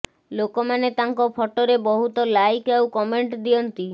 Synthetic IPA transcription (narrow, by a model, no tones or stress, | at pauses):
lokɔmanet̪aŋkɔpʰɔʈɔɾebɔɦut̪ɔlajkawkɔmeɳʈd̪iɔnt̪i